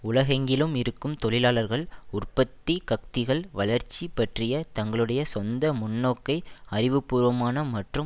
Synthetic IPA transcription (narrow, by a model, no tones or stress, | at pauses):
ʊlɐɣɐŋɡɪlɯmɪɾɯkːɯmt̪ɔɭɪlaːlɐɾɣɐɭʊrpɐt̪ːikɐk̚t̪ɪɣɐɭʋɐlɐɾt͡ʃːipːɐʈrɪjɐt̪ɐŋɡɐɭɯɽɐjɐsɔnd̪ɐmʊnːoːkːɐɪɐrɪʋɯpːuːɾʋɐmaːnɐmɐʈrɯm